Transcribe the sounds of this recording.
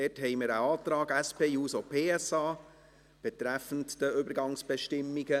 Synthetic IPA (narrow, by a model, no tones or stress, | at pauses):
ɛthɛɪmɪɾəɑːt̪ɾɑːɡɛspʰeːjuːsopʰeːɛsɑː | b̥ɛt̪ɾæfən̩td̥əʏbəɾɡɑŋsb̥ɛʃtɪmːiɡə